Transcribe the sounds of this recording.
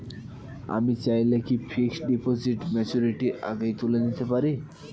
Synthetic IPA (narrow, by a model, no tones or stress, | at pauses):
a̰mit͡ɕajlekifʰiksɖipɔsiʈmɛt͡ɕuɾiʈiʔa̰ɡəjt̪ulenit̪ʰepaɾi